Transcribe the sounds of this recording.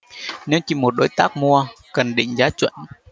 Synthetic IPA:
ɲɨ˧ŋt͡ɕi˧˩mo˨˩t̚ɗo˨˦jt̪aː˦˥k̚mu˧ə | kə˨˩nɗḭ˧˨ŋ̟zaː˨˦t͡ɕwə̰˧˨n

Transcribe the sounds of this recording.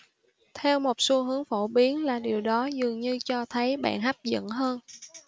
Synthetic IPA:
t̪ʰɛ˧wmo˨˩t̚so˧˦ɦɨ˨˦əŋfo˧˩ɓi˨˦ənlaː˨˩ɗi˨˩əwɗɔ˨˦zɨ˨˩əŋɲɨ˧t͡ɕɔ˧t̪ʰə˨˦jɓa̰ː˧˨nɦa˦˥p̚zə̰˧˨nɦəː˧n

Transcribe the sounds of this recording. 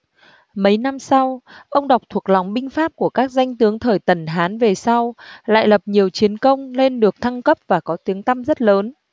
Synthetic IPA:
mə˨˦jna˧msa˧wʔə˧wŋ͡mɗa˨˩wk͡p̚t̪ʰu˨˩ək̚la˨˩wŋ͡mɓï˧ŋ̟faː˦˥p̚ku˧˩əkaː˦˥k̚za˧jŋ̟t̪ɨ˨˦əŋt̪ʰəː˧˨˩jt̪ə˧˩nɦaː˨˦nve˨˩sa˧wla̰ː˧˨jlə˨˩p̚ɲi˨˩əwt͡ɕi˨˦ənkə˧wŋ͡mle˧nɗɨ˨˩ək̚t̪ʰa˧ŋkə˦˥p̚vaː˨˩kɔ˨˦t̪i˨˦əŋt̪a˧mzə˦˥t̚ləː˨˦n

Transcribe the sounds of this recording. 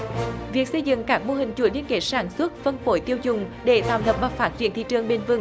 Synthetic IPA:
vi˨˩ək̚sə˧jzɨ̰˧˨ŋkaː˦˥k̚mo˧ɦï˨˩ŋ̟t͡ɕu˧˩˦li˧ənke˧˨˩tsaː˧˩nswə˦˥t̚fə˧nfo˧˩˦jt̪i˧əwzʊ˨˩ŋ͡mɗe˧˩t̪aː˧˨˩wt̪ʰə˨˩p̚ɓaː˧˩faː˦˥t̚zwi˧˨nt̪ḭ˧˨t͡ɕɨ˨˩əŋɓe˧nvɨ˧˩ŋ

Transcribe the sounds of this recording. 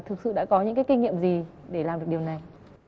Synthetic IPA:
t̪ʰɨ˨˩k̚sɨ̰˧˨ɗa̰ː˧˥kɔ˨˦ɲɨ̰˧˥kaː˨˦jki˧ŋḭ˧˨əmzi˨˩ | ɗe˧˩laː˨˩mɗɨ˨˩ək̚ɗi˨˩əwna˨˩j

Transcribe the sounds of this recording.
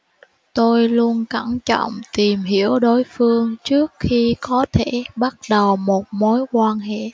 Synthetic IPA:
t̪o˧jlu˧ənka˧˩ŋt͡ɕə̰˧˨wŋ͡mt̪i˨˩mɦi˧˩əwɗo˨˦jfɨ˧əŋt͡ɕɨ˦˥ək̚xi˧kɔ˨˦t̪ʰe˧˩˨ɓa˦˥t̚ɗə˨˩wmo˨˩t̚mo˨˦jkwaː˧nɦḛ˧˨

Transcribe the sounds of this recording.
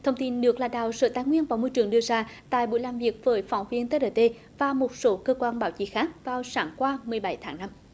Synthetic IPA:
t̪ʰə˧wŋ͡mt̪i˧nnɨ˨˩ək̚laː˧˩ɗa̰ː˧˨wsə̰ː˧˨˩t̪aː˧˦jŋwi˧ənvaː˨˩wmo˧jt͡ɕɨ˨˧˩əŋɗɨ˧əzaː˧t̪a̰ː˧˨jɓo̰˧˥˨jlaː˨˩mvi˨˩ək̚vəː˨˦jfɔ˧˩wŋ͡mvi˧ənt̪eː˦˥ɗə˧˩t̪e˧ | vaː˨˩mo˨˩t̚so˨˦kəː˧kwaː˧nɓaː˧˦wt͡ɕḭ˧˥xaː˦˥k̚vaː˨˩wsaː˨˦ŋkwaː˧mɨ˨˩əjɓa˧˩˦jt̪ʰaː˨˦ŋna˧m

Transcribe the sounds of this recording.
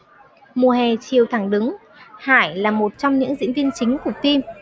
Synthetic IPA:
mu˨˩əɦɛ˨˩t͡ɕi˨˩əwt̪ʰa˧˩ŋɗɨ˨˦ŋ | haː˧˩jlaː˨˩mo˨˩t̚t͡ɕɔ˧wŋ͡mɲɨ̰˧˥ŋzḭ˧˥ənvi˧ənt͡ɕï˨˦ŋ̟k̚t̪i˧m

